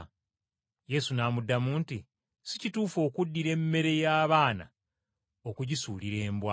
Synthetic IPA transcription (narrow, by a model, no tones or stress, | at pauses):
je̞sunaːmudːamuːnti | sicituːfo̞ːkudːiɾe̞mːe̞ɾe̞jaːβaːna̰ | o̞kuɟisuːliɾe̞ːmbwa